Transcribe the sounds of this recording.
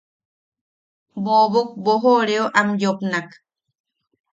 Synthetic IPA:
boβuk̚boɦoɾeoʔamjopnak

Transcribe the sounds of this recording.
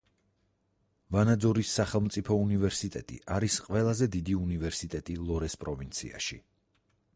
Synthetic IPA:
vanad̪zɔɾisːaχɛlˠmt̪sʼipʰɔunivɛɾsit̪ʼɛ̰t̪ʼḭʔaɾisqʼvɛlˠazɛd̪id̪iunivɛɾsit̪ʼɛt̪ʼilˠɔɾɛspʼɾɔvint̪sʰḭa̰ʃi

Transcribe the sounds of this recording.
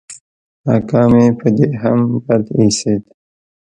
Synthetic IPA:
na̰ːkɑːmepəd̪eɦambad̪iset̪

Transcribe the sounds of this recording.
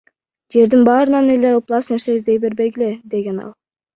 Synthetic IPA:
d͡ʒe̞ɾd̪inbɑːɾɯnɑneleoplˠɑsne̞ɾse̞izd̪e̞jbe̞ɾbe̞jɡeled̪e̞ɡʲe̞nɑ̰lˠ

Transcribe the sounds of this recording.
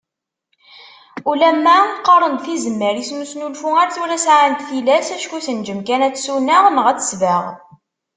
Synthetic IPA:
ulæmːæqːɑɾˤənd̪θizəmːəɾjisnusnulfuæɾθuɾæsʕant̪θilæsæʃkuθənd͡ʒəmkænæt͡sːsunəʁmʁæt͡sːə̥svəʁ

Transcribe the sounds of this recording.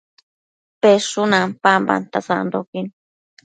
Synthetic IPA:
peʂunãmpamba̰nt̪asa̰ʔnd̪okin

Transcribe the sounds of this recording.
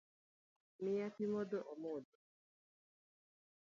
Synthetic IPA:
mɪjapimɔdɔʔɔmɔdo

